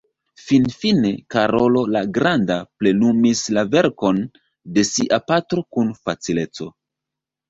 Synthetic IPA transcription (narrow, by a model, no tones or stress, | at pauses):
finfine̞kaɾo̞lo̞laɡɾandaple̞numislave̞ɾko̞n | de̞siʔapatɾo̞kunfat͡sile̞t͡so̞̰